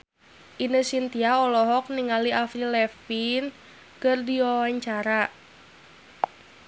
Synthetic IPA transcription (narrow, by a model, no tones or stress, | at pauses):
ʔinəsint̪iaɔlɔɦɔk̚niŋaliʔafɾilɛfin | kərdiɔwaɲt͡ʃaɾa